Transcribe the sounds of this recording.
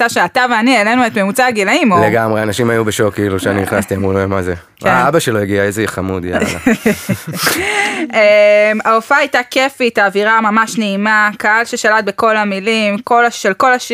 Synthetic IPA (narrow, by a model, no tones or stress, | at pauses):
taʃeataveaniele̞nue̞tme̞mut͡saːɡilaimoleɡamʁeanaʃimajubeʃokːiiluʃeaniniχnast̪iamʁuloemaze | kabaʃeloeɡiaezejiχamud̪ja̰la̰ | emaofaajtake̞fitaːviʁamamaʃneimakaalʃe̞ʃalat̪̚be̞ko̞lamilimko̞laʃelko̞laʃ